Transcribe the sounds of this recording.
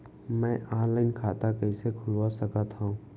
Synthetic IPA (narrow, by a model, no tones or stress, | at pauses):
mɛ̃ːʔaːɾlaɪnkʰaːt̪akɐisekʰʊlwasɐkət̪ɦaũː